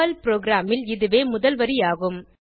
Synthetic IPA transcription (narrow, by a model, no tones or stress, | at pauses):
ɐlpɾoːɡɾaːmɪlɪðɯʋeːmʊðɐlʋɐɾijaːɣɯm